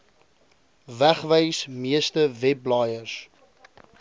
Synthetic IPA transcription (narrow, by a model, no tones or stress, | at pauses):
væχvəjsmiəstəvɛblɑːjərs